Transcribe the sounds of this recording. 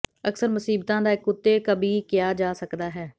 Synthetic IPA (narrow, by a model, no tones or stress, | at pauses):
əksəɾmʊsiːbt̪ãːd̪aːɪkːʊt̪ːeːkəbʱiːkɪjaːd͡ʒaːsəkd̪aːɦɛː